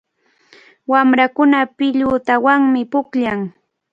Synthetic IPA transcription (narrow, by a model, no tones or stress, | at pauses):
wamɾakʊnapɪʎʊt̪awaŋmɪpʊkʎaŋ